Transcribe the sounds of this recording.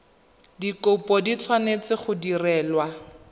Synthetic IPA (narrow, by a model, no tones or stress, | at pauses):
dikʊpɔdit͡sʰwanet͡sɪχʊdirɛːlwa